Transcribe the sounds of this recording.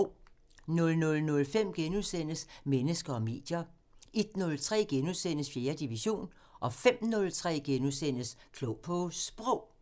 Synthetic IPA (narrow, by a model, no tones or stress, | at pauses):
nɔ̽lnɔ̽lnɔ̽lfem̰ɡ̥enuðˠsen̰əsmenəsɡ̥ɐɒ̽me̝̰ːd̥jɐ | e̝d̥nɔ̽lt͡sʰʁɛ̰ːɡ̥enuðˠsen̰əsfje̝ːɐd̥iʋiɕo̝̰ːn | ʔɒ̽fem̰nɔ̽lt͡sʰʁɛ̰ːɡ̥enusen̰əskʰlɔʊpʰɔ̽sb̥ʁɔʊ̰